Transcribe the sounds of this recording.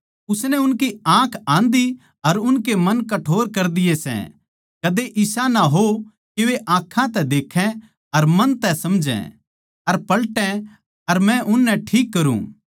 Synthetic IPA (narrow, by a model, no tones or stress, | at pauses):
ʊsnɛʊnkiãːkʰãːnd̪i | ɐɾʊnkemɐnkɐʈʰoːɾkɐɾd̪ɪjesɛ̰̃ | kɐd̪eʔɪsanaɦo | keʋeʔãːkʰːãt̪ɛd̪eːkʰɛ̃ | ɐɾmɐnt̪ɛsɐmd͡ʒɛ̰̃ | ɐɾpɐlʈɛ̃ | ɐɾmɛ̃ʔʊnːɛ̃ʈʰiːkːɐɾṵ̃ː